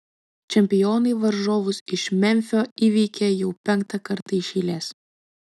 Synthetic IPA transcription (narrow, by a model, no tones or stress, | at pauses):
t͡ʃʲɛmʲpʲɪjoːnɐɪʋɐɾʒoːʋʊsɪʃmʲɛmʲfʲoːiːʋʲiɪkʲejɛʊpʲɛŋˑkt̪ɐkɐɾt̪ɐɪʃʲiːlʲeːs